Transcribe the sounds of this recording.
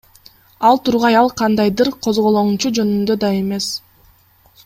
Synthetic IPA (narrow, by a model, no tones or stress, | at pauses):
ɑlˠt̪ʰuɾʁɑjɑlˠqʰɑnd̪ɑjd̪ɯɾqʰo̞zʁo̞lˠonut͡ʃud͡ʒø̞nynd̪ø̞d̪ɑe̞me̞s